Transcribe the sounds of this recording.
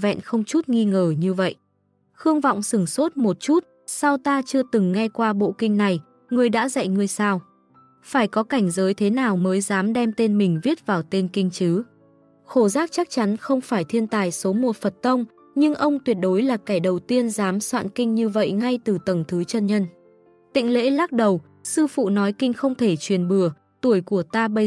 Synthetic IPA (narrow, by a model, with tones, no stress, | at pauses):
vɛ̰˧˨nxə˧wŋ͡mt͡ɕu˦˥t̚ŋi˧ŋəː˧˩ɲɨ˧və̰˧˨jʔ | xɨ˧əŋvɔ̰˧˨wŋ͡msɨ˧˩ŋso˦˥t̚mo˨˩t̚t͡ɕu˦˥t̚ | sa˧wt̪aː˧t͡ɕɨ˧ət̪ɨ˨˩ŋːa˧jkwaː˧ɓo̰˧˨kï˧ŋ̟na˨˩j | ŋɨ˨˩əjɗa̰ː˧˥za̰˧˨jŋɨ˧əjsaː˧w | faː˧˩jkɔ˨˦ka˧˩jŋ̟zəː˨˦jt̪ʰe˨˦naː˨˩wməː˨˦jzaː˨˦mɗɛ˧mt̪e˧nmï˨˩ŋ̟vi˦˥ət̚vaː˨˩wt̪e˧nkï˧ŋ̟t͡ɕɨ˨˦ | xo˧˩zaː˦˥k̚t͡ɕa˦˥k̚t͡ɕa˨˦nxə˧wŋ͡mfaː˧˩jt̪ʰi˧ənt̪aː˨˩jso˨˦mo˨˩fə˨˩t̚t̪ə˧wŋ͡m | ɲɨ˧ŋʔə˧wŋ͡mt̪wi˨˩ət̚ɗo˨˦jlaː˨˩kaː˧˩jɗə˨˩wt̪i˧ənzaː˨˦mswa̰ː˧˨nkï˧ŋ̟ɲɨ˧və̰˧˨jŋa˧jt̪ɨ˨˩t̪ə˨˩ŋt̪ʰɨ˨˦t͡ɕə˧nɲə˧n | t̪ḭ̈˧˨ŋ̟lḛ˧˥laː˦˥k̚ɗə˨˩w | sɨ˧fṵ˧˨nɔ˨˦jkï˧ŋ̟xə˧wŋ͡mt̪ʰe˧˩t͡ɕwi˨˩ənɓɨ˧˩ə | t̪u˧˩əjku˧˩ət̪aː˧ɓə˧